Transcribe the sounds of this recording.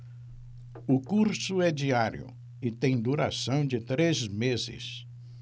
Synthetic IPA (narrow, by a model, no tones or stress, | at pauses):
ʊkuɾsʊɛd͡ʒiaɾjʊ̰ | ɪt̪ẽj̃d̪uɾa̰sɐ̃w̃d͡ʒɪt̪ɾezmezɪ̰s